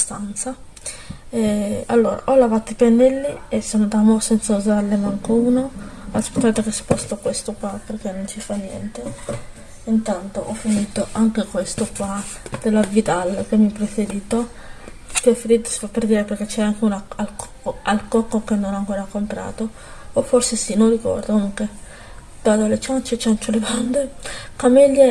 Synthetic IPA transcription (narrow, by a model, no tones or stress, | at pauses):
st̪ant̪sa | ɛa̰lːoːɾa̰ʔɔlavat̪oipenːɛlːiesːonod̪amosɛnt̪sauzalːemaŋkouːnoaspe̥t̪ːaːt̪okesi̥pɔst̪okwest̪okwaperk̟enːont͡ʃifanːjɛ̰nt̪e | int̪ant̪oʔɔfːiniːt̪oʔaŋkekwest̪okwad̪̥elːavid̪alkemːiɛpːɾefeɾiːt̪o | pɔfeɾiːt̪o̥si̥fapːerd̪iːɾeperk̟et͡ʃːɛaŋkeunaal | alkɔkːokenːonaŋkoːɾakompɾa̰ːt̪oː | fːorsesinonrikɔ̰rd̪oaŋke | d̪aːd̪olet͡ʃant͡ʃet͡ʃant͡ʃoleband̪ekamilːja